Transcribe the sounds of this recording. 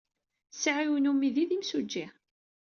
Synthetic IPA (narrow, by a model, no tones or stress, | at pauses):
sʕiwnumiðiðimsud͡ʒːi